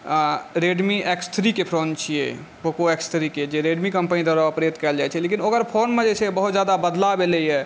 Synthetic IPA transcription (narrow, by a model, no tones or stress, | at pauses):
ɾeɖmiekst̪ʰɾikepʰɾont͡ʃʰijɛ̰ | bokoekst̪ʰɾiked͡ʒeɾeɖmikəmpənid̪əɾaəpɾet̪kɛld͡ʒajt͡ʃʰɛlekinokəɾpʰonmed͡ʒɛt͡ʃʰɛbəɦut̪d͡ʒad̪abəd̪labelɛjɛ